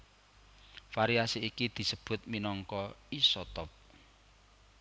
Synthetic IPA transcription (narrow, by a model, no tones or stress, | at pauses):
faɾiasiikid̪̥i̤səb̥ʊ̤t̪̚minɔŋkɔisɔt̪ɔp̚